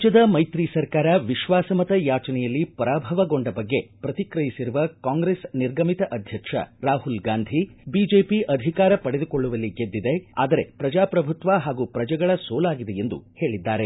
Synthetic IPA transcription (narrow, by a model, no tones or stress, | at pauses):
t͡ʃɐd̪ɐmɐjt̪ɾiːsɐɾkaːɾɐʋiʃʋaːsɐmɐt̪ɐjaːt͡ʃɐnɛjɐlːipɐɾaːbʱɐʋɐɡoɳɖɐbɐɡːe̞pɾɐt̪ikɾɐjisiɾuʋɐkaːŋɡɾesniɾɡɐmit̪ɐʔɐd̪ʱjɐkʂɐ̰ɾaːɦulɡaːnd̪ʱibiːd͡ʒeːpiʔɐd̪ʱikaːɾɐpɐɽed̪uko̞ɭːuʋɐlːiɡed̪ːid̪e̞a̰ːd̪ɐɾe̞̰pɾɐd͡ʒaːpɾɐbʱut̪ʋɐɦaːɡuːpɾɐd͡ʒɐɡɐɭɐsoːlaːɡid̪e̞e̞nd̪ṵhe̞ːɭid̪ːaːɾe